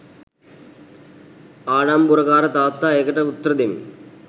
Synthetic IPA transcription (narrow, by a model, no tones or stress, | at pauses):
aːɽaːmbuɾɐkaːɾɐt̪aːt̪ːaːeːkɐʈɐut̪ːɐɾɐd̪emḭ